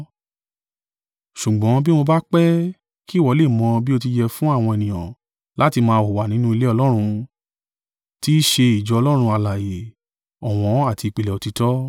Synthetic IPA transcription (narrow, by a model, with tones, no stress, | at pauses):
ʃu˨ɡ͡bɔ̃˨˦bi˦mo˧ba˦k͡pɛ˦ | ki˦˨wɔ˨˧˦le˦˨mɔ̃˧bi˦o˧t̬i˧d͡ʒɛ˧fũ˦a˦˨w̃ɔ̃˧e˨nĩ˨j̃ã̰˨ | la˨˦ti˧mãː˧˨o˨wa˨nĩ˨˦nũ˦i˧le˦ɔ˧lɔ˦ɾ̃ũ˧ | ti˦ʃe˧i˨d͡ʒɔ˧ɔ˧lɔ˦ɾ̃ũ˧a˧la˨je˨ | ɔ˨w̃ɔ̃˨˧˦a˦˨ti˧i˨k͡pi˨˧lɛ˨ɔ˨˧ti˧tɔ˦